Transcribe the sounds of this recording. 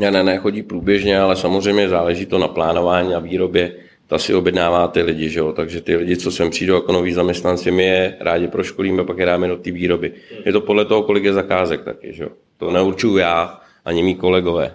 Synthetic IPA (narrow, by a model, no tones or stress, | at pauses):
ɲanɛnɛːxo̞ɟiːpɾuːbjɛʒɲɛalɛsamozr̝ɛjmɲɛzaːlɛʒiːt̪o̞naplaːno̞vaːɲiːnaviːɾo̞bjɛ | t̪asɪobjɛdnaːvaːt̪ɪlɪɟɪʒɛo̞t̪aɡʒɛt̪ɪlɪɟɪt͡so̞sɛmpr̝̥iːdowjakonoviːzamɲɛst̪nant͡sɪmɪjɛɾʔaːɟɪpɾo̞ʃko̞liːmɛpakjɛɾaːmɛdot̪iːviːɾo̞bɪjɛt̪o̞po̞dlɛt̪oɦo̞ko̞lɪkjɛzakaːzɛk̚t̪a̰kɪ̰ʒɛjo̰ | t̪onɛuɾt͡ʃʊjujaː | ʔaɲɪmiːko̞lɛɡo̞vɛ̰ː